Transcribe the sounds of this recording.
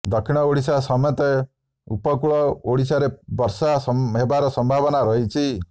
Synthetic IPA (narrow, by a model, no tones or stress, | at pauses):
d̪ɔkʰːiɽ̃ɔoɽisasɔmɔt̪e | upɔkuɭɔoɽisaɾebɔɾsasɦebaɾɔsɔmbʱabɔnaɾɔɦit͡ʃʰi